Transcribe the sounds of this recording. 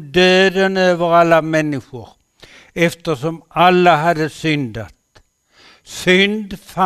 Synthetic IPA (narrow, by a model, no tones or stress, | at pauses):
d̪øːd̪ənøːʋəɾalːamɛnːɪɧʊɾ | ɛft̪əsɔmalːaɦad̪əsʏnd̪a̰t̪ | sʏnd̪fa